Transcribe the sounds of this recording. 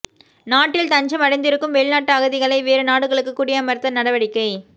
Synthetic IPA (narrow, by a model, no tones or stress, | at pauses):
naːʈːɪlt̪ɐɲd͡ʒɐmɐɽɐɪnd̪ɪɾɯkːɯmʋeːɭnaːʈːɯɐɣɐðɪɣɐɭɐɪʋeːɾɯnaːɽɯɣɐɭɯkːɯkːʊɽɪjaːmɐɾɯt̪ːɐnɐɽɐʋɐɽɪkːɐɪ